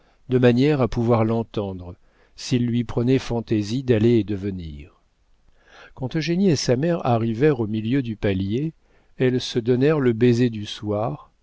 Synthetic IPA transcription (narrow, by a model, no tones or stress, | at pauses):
d̪əmanjɛʁapuvwaʁlɑ̃t̪ɑ̃d̪ʁə | silːɥipχənɛfɑ̃t̪ezid̪aleːd̪əvənḭːʁ | kɑ̃t̪øʒeniesamɛʁa̰ʁivɛʁomiljød̪ypalje | ɛlsəd̪ɔnɛʁləbezed̪yswaːʁ